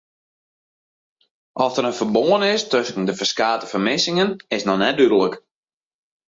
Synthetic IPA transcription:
ʔɔsdəɾənfərboənɪstøsən̩dəfərskaːtə̥fərmɪsɪŋənɪsnɔnɛt̚dyɾələk

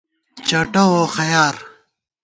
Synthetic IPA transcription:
t͡ɕɐʈɐwoxɐjaːɾ

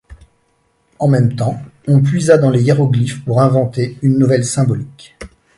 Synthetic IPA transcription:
ɑ̃mɛmt̪ɑ̃ɔ̃pɥizad̪ɑ̃lejeʁɔɡlifpuʁɛ̃vɑ̃t̪eynːuvɛlsɛ̃bɔlik

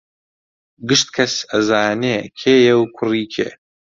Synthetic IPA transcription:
ɡɨʃt̪̚kʰɐsɐzaːneːkʰeːjɛwkʰʊriːkʰḛː

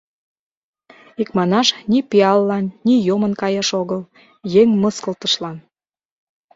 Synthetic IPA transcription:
ikmɑnɑʃnʲipiɑlːɑnːʲijomənkɑjɑʃoɣəl | jeŋməskəlt̪əʃlɑn

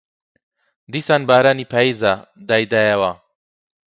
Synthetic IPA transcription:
d̪isanbaːɾaːnipʰaːizad̪aːjd̪aːjɐwa

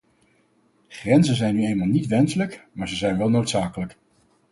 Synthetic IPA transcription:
χrɛnzənzɛjnːyejnmaːlˠnitʋɛnsələkmaːɹzəzɛjnʋɛlˠnowtsaːkələk

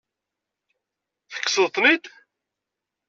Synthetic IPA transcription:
θə̥kːsəðt̪ˤːnid̪

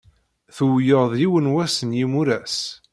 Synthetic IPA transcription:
θuwjəʁðˤjiwənwæsənjimuɾæs

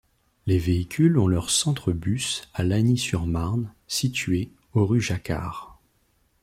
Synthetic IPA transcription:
leveikʲʰylɔ̃lœʁsɑ̃t̪χəbysalanisyʁmaʁnsit̪ʰɥe | oʁyʒaka̰ːʁ

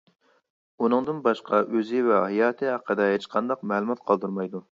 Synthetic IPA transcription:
unɨŋd̪ɨnbɑʃqʰɑʔøzɪvɛɦɑjɑːt̪ʰɨɑqʰːəd̪ɛɦet͡ʃqʰɑnd̪ɑqmɛlˠumɑt̪̚qʰɑlˠd̪uɾmɑjd̪u

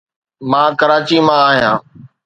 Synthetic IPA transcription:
mãːkəɾaːt͡ʃiːmãaːɦijãː

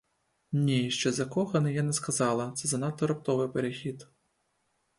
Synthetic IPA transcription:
nʲiʃt͡ʃɛzɐkɔxɐnɪjanɛskɐzɑlˠɐt̪sɛzɐnɑt̪ːɔɾɐpt̪ɔʋɪpeɾexʲid̪

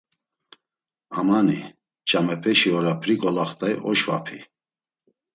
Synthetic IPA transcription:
amanḭ | t͡ʃʼamɛpʰɛʃiɔɾapʰɾiɡɔlaχt̪ʼaiʔɔʃva̰pʰi

